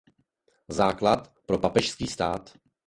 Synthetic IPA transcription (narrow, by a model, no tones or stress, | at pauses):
zaːklat̪pɾo̞papɛʃskiːst̪aːt̪